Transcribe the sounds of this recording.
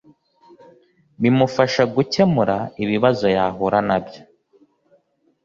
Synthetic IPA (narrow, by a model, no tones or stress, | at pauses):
βimufaʃaɡuce̞muɾaiβiβazo̞jaːɦuɾanabjo